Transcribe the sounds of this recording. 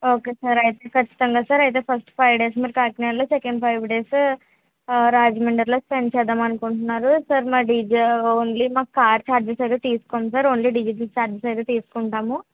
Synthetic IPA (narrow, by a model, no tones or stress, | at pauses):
oːkeːsaɾɐjit̪eːkɐt͡ʃːi̥t̪ɐŋɡaːsɐɾɐjt̪̬e̞ːpʰɐsʈpʰɐjʋɖeːs̬miːɾukaːknaːɾloːsekɐɳɖpʰɐjʋɖeːs | ɾaːd͡ʒmeɳɖɐɾloːspeɳɖt͡ʃɛːd̪aːmɐnukuɳʈunːaːɾusɐɾmaːɖid͡ʒoːnlimaːkkːaːɾt͡ʃaːɾd͡ʒɐsɐjd̪eːt̪iːsu̥koːmisɐɾoːɳliɖid͡ʒiʈ̬ɐlst͡ʃaːɾd͡ʒɐsɐjd̪et̪iːsu̥kuɳʈaːmu